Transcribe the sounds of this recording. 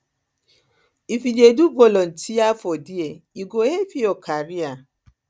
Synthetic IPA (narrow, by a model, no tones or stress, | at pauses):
ifid͡ʒedubolɔn̩tijafɔdieiɡoefiɔkʰaɾia